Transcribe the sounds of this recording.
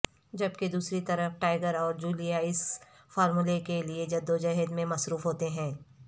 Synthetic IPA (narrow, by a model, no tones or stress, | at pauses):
d͡ʒɐbked̪uːsɾit̪ɐɾəɦʈaːɪɡəɾɔːɾd͡ʒuːlijaɪs | faːɾmulekelied͡ʒɐd̪ːod͡ʒɐɦɛd̪mẽmɐsɾuːfɦoːt̪eɦɛ̃ː